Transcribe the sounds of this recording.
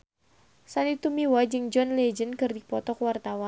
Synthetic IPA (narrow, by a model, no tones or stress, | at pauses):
sanit̪umiwad͡ʒɨŋd͡ʒɔnlɛd͡ʒənkɨrdipɔt̪ɔkwart̪awan